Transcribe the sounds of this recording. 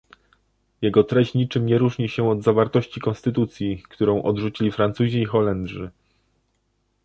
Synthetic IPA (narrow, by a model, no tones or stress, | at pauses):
jɛɡɔt̪ɾɛɕt͡ɕɲit͡ʂɘmɲɛɾuʐɲiɕɛɔd̪zavaɾt̪ɔɕt͡ɕikɔnst̪ɘt̪ut̪sʲjikt̪uɾɔ̃w̃ʔɔd̪ʐut͡ɕilʲifɾant̪suʑiːxɔlɛnd̪ʐɘ